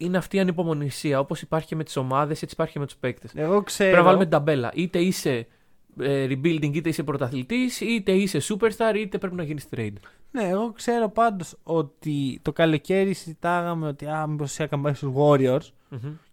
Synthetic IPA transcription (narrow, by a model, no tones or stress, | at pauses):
ine̞ɐft̪iːɐnipo̞mo̞nisiɐo̞po̞sipɐɾçi̥ce̞me̞t̪i̥so̞mɐðe̞set͡si̥pɐɾçicemet̪u̥spe̞kt̪eseɣoksepenɐvɐlumeid̪ɐbe̞lɐ̰ʔit̪e̞ise̞ | eɾibild̪iŋɡit̪eisepɾot̪ɐθlit̪isit̪e̞ise̞supeɾst̪ɐɾit̪e̞pɾe̞pinɐʝinist̪ɾejd̪ne̞ːɣo̞kse̞ɾo̞pɐnd̪o̞so̞t̪it̪o̞kɐlo̞ce̞ɾiszit̪ɐɣɐmeo̞t̪iɐmibossiɐkɐmbɐsozɣo̞ɾioɾs